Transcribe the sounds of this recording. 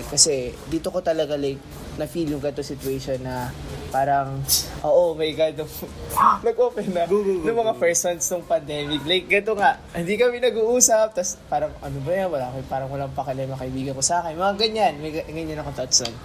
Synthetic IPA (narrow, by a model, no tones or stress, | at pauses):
kɐsɛd̪iːt̪oko̞t̪ɐlɐɡalajk̚ | nɐfiːlʊŋɡɐt̪osɪt̪weʃo̞nːɐpaːɾɐŋʔoːʔomɐjɡad̪oŋnɐɡʔoːpɛnɐnʊŋmɐŋafɛɹsɐnsnoŋpɐnd̪ɛːmɪklajk̚ɡɐt̪oŋaʔhɪnd̪ikɐmɪnɐɡuʔuːsɐp̚t̪ɐspaːɾɐŋɐnobɐjanwɐlaːkopaːɾɐŋwɐlaŋpɐkɐlɐmɐkɐʔɪbiːɡɐnkosɐʔaːkɪnmɐŋaɡɐɲːanmɐjɡɐɲːanɐkot̪ɐt̪sɐn